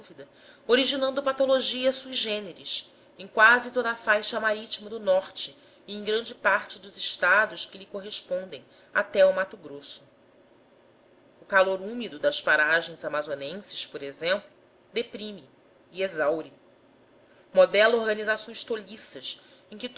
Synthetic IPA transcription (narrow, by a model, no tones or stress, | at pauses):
d̪uvid̪ɐ | oɾiʒinɐ̃nd̪ʊpat̪oloʒiɐsubʒẽneɾis | ẽj̃kwazɪt̪od̪ɐaːfajʃɐmaɾit͡ʃimɐd̪ʊnɔχt͡ʃɪ | ẽj̃ɡɾɐ̃nd͡ʒɪpaɾt͡ʃɪd̪ʊzɪʃt̪ad̪ʊʃkɪlikoɦeʃpõnd̪ḛ̃j̃ | a̰t̪ɛumat̪ʊɡɾosʊ̥ | ʊkaloɾumid̪ʊd̪ɐspaɾaʒẽj̃zamazonẽsɪ̥spoɾezẽmplʊ | d̪epɾimiː | ezawɾi | mod̪ɛlɐoɾɡɐnizasõj̃ʃt̪olisɐs | ẽj̃kɪt̪